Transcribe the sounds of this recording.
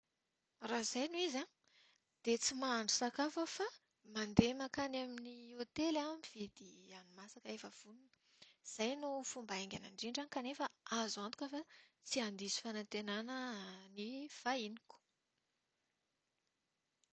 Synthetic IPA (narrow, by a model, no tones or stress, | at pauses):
raz̥ajnuizaɲ | d̪̥et͡simaaɳɖ͡ʐusakafəfa | mand̪emakanaminiot̪elamiv̥id̪̥ianimasakəefəv̥ununə | z̥ajnufumbaeŋɡʲana̰ɳɖ͡ʐiɳɖ͡ʐankanefəazuant̪ukafat͡siand̪izi̥fanant̪enanəniv̥ainiku̥